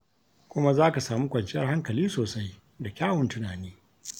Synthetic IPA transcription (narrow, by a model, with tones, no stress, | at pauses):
kʷʊ˦ma˦zaː˦ka˨saː˨mu˦kʷʼɐ˨nt͡ʃɪ˦jɐ˦rha˦ŋkɐ˨liː˦soː˨sa˦j | da˨kʲaː˦wʊ˨ntʊ˦naː˨niː˦